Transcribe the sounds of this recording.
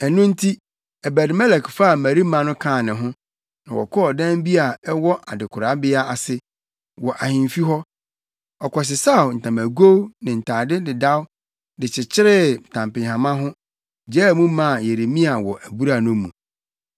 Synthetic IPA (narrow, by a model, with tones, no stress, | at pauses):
ɛ˨nʊ̃˦n̩˦tʰi˦ | ɛ˨bæ˨dmɛ˦lɛ˨kfa˦˨mæ˨ɾi˦mã˨nʊ̃˦kʰãː˦˨nɪ̃˨ɦʊ̃˦ | nã˨wɔ̰˨kʰɔ˦˨dã˦m˦bi˦a˨ɛ˦wɔ˦ʔa˨dɪ˨kʰʊ˨ɾa˨˦bɪ˦a˦a˨sɪ˦ | wɔ˨ʔa˨hĩ˨mfi˦ɦɔ˦ | ɔ˨kʰɔ˨s̬ɪ˨sa˦˨wn̩˨tʰã˨mæ˨ɡo˦wnɪ̃˨n̩˨tʰaː˨dɪ˦dɪ˨da˦w | dɪ˨t͡ɕʰɪ˨t͡ɕʰɪ˦ɾɪ˦˨tʰã˨mpɪ̃˨hã˨mã˦ɦʊ̃˦ | d͡ʑɛ˦˨mũ˦mã˦˨je˨ɾe˨mĩ˦a˨wɔ˨ʔæ˨bu˦ɾa˨nʊ̃˦mũ˨